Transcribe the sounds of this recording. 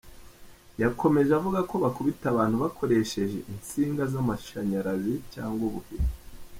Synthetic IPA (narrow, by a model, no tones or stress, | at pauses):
jakʰo̞me̞ʒavuɡako̞βakuβitaβaːn̥huβakʰo̞ɾe̞ʃe̞ʒe̞̰ʔinsiːŋɡazamaʃaɲaɾazicaːŋɡwoβuvini